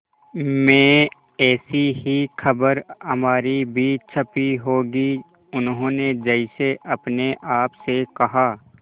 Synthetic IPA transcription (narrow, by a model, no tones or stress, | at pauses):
mɛ̃ː | ɛːsiɦixʰɐbəɾɦɐmaːɾibʱiːt͡ʃʰɐpiɦoːɡi | ʊnɦõːned͡ʒəɪseʔɐpneʔaːpsekɐɦaː